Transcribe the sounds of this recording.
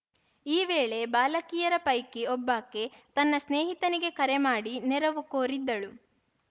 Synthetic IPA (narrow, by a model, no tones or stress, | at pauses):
iːʋeːɭe̞baːlɐkijɐɾɐpɐjkiɔbːaːkːet̪ɐnːɐsneːɦit̪ɐniɡe̞kɐɾemaːɽinɛɾɐʋukoːɾid̪ːɐɭu